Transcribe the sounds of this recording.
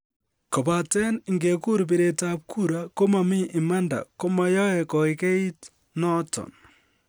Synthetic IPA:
kɔ˨ba˨tɛ˦nɪ˨ŋɡe˨ku˦ɾp̬i˦˨ɾe˨ta˦p̚kʰu˦ɾa˦ko˦ma˨mi˦ʔɪ˨ma˦nda̰˨ko˦ma˨jɔ˦ɛ˨kɔ˨i˨ke˦i˦t | nɔ˦tɔ̰˨n

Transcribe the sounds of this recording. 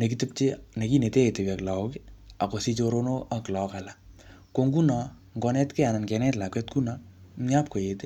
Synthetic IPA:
ne˨ki˦tɪ˦p̚t͡ʃe˦ne˨ki˦ne˨te˦e˨te˨wɛ˨kla˨o˦ki˦a˨ko˨si˦t͡ʃo˧ɾo˦no˦a˦klɔ˨ka˨la˨ | ko˧ŋɡu˦nɔ˨ | ŋɡɔ˧nɛ˦tkɛ˦a˨na˨nkɛ˧nɛ˦tla˨kwɛ˦tku˦na˨m̩ɲa˦p̚ko˨jete˦

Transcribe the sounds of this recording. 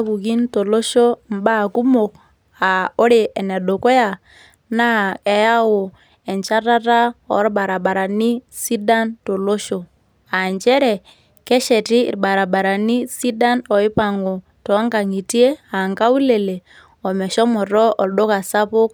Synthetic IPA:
a˦ku˨ki˦nto˨lo˦ʃo˦mba˦˨ku˦mo˨k̚ | a˨ɔ˦ɾe˨ʔɛ˨nɛ˨ɗo˨kɔ˦ja˨ | na˦kɛ˨ja˦wo˨ | ɛ˨ɲt͡ʃa˦ta˦ta˦ɔ̰˦ɾba˨ɾa˨ɓa˨ɾa˨ni˦si˦da˦nto˨lo˦ʃo˨ | a˨ɲt͡ʃɛ˦ɾɛ˨ | kɛ˦ʃɛ˨tḭː˦˨ɾba˨ɾa˨ba˨ɾa˨ni˦si˦da˦nɔ˨i˦pa˨ŋo˨ | tɔ˨˦ŋka˨ŋi˨ti˦e˦a˨ŋka˦wu˦le˨le˨ | ɔ˨mɛ˨ʃɔ˦mɔ˨tɔ˦ɔ˨lɗo˦ka˨sa˦po˦k̚

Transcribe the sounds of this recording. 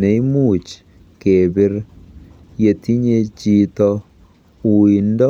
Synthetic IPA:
ne˨˦i˦mu˦˨t͡ʃ | ke˨bɪ˦ɾ | je˨t̪i˦ɲe˦t͡ʃi˦t̪ɔ | u˨indɔ˦

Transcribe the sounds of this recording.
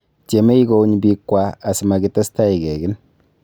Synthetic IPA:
te˨me˦jɡo˧˦ɲbi˧kwaː˦˨sma˨ɡi˧t̪a˦sta˦ji˨ɡɛ˨ɡi˦n

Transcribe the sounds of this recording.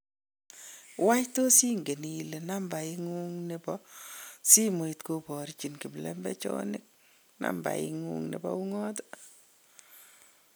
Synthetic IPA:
wa˦jto˦si˦ŋɡe˨ni˨le˨na˦mba˨i˦ŋu˦ŋne˨pɔ | si˦mo˨itko˦pɔ˨ɾt͡ʃi˨nki˨mlɛ̰˦mbɛ̰˦t͡ʃɔ̰nɪk̚ | na̰mba̰˨ḭŋṵŋnḛ˨bɔ̰u˦ŋɔ˦to̥

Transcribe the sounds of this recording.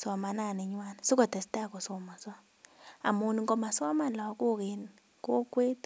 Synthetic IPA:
sɔ˨ma˨na˦˨nɪ˨ɲwa˦nsʊ˦kɔ˨tɛ˨sta˦˨kɔ˨sɔ˨ma˨sɔ˦ | a̰˨mu˨ni˨ŋɡo˨ma˨sɔ˦ma˦la˨˦ko˦ke˨n | ko˦kwe˦t

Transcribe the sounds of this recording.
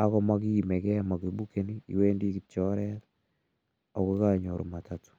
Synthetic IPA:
akɔ˦maki˦imɛ˨kɛ˦ma˨ki˨bu˦ke˦niḭ˨we˦ndi˦ki˨t͡ʃɔɾɛt | ɔ˨kɔ˦kaɲo˨ɾo̰˨ma˨tatu̥

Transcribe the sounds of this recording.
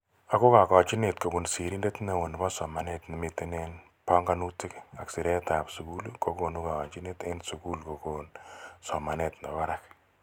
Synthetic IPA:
a˨ko˦ka˨kɔ˨t͡ʃi˦ne˨t̚ko˨ku˨nsi˨ɾi˦nde˦tna˨wo˨n˨bɔ˦sɔ˨ma˨ne˦tnɪ˨mi˨te˦ne˦n | pɔ˦ŋɡa˦nu˦tɪ˦ka˨ksi˨ɾe˦ta˨psu˨ku˦lko˦ko˨nu˦ka˨kɔ˨t͡ʃi˦ne˦te˦nsu˨ku˦lko˨ko˨nsɔ˨ma˨ne˨tna˨ba˦ɾa˦k

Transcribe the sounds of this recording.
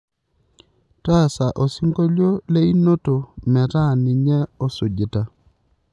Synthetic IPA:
ta˦˨sa˨ʔo˨si˦ŋɡo˦ljo˦le˦i˦no˦to˨mɛ˨ta˦˨nɪ˨ɲɛ˦ɔ˦so˨d͡ʒɪ˨ta˨

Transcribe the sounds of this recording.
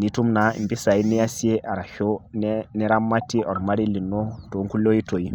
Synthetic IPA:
ni˨tu˦mna˨ḭ˨mbi˦sa˨i˦nɛ˦ja˦si˦e˦ʔa˨ɾa˨ho˦nnɛ˦ɾa˦mːa˦tːi˦ɔ˨ɾma˦ɾi˦li˨nːo˦to˨˦ŋku˦lo˦i˦to˨i˦

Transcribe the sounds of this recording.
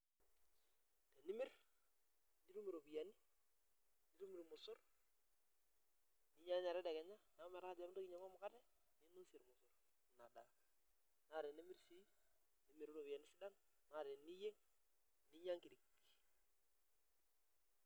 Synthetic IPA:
te˨ni˦mɪ˦r | ni˦ɾu˦mi˨ɾo˨bi˨ja˨ni˦ | ni˦ɾu˦mi˨ɾmʊ˨sʊ˦r | ni˦ɲa˦ɲa˨ɾɛ˦da˨kɛ˨ɲa˦na˨˦mɛ˨ɾa˦ka˨d͡ʒa˨˦m˦to˦kɪɲa˨ma˦mʊ˦ka˦tɛ˦ | nɪ˦no˦sɪ˨ɾmʊ˨sʊ˨r | na˨da̰˨ | na˦˨ɾe˨ni˦mi˦ɾsi˦ | ni˨˦mi˨ɾɾo˨bi˨a˨ni˦sɪ˦da˦n | na˦˨ɾe˨ni˦je˦ŋ | ni˦ɲa˦ŋki˨di˨k

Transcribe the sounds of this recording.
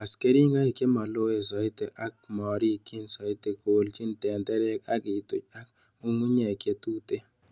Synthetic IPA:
a˨ske˦ɾi˦ŋɡa˦i˨ke˦ma˨lo˦e˨sɔ˨ɪ˦t̪e˨ʔa˦k̚mɔ˨ɾi˦˨ki˦nsɔ˨ɪ˦t̪e˨kolt͡ʃi˦ntɛ˨nd̪ɛ˦ɾɛ˦ka˦kɪ˨t̪o˨t͡ʃa˦k | u˦ŋu˦ɲɛ˨ke˦t̪u˦t̪e˦

